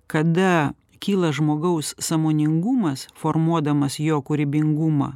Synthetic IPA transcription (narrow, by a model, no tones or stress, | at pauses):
kɐd̪ɐ | kʲiːlˠɐʒmoːɡɐʊssɑmoːnʲɪŋɡʊmɐsfoːɾmuɔd̪ɐmɐsjoːkʊɾʲbʲɪŋɡʊmɐ̰ː